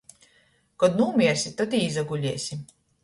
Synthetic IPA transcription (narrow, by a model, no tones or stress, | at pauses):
kɔd̪nuːmʲiɛɾsʲit̪at̪iːzaɡulʲiːsʲim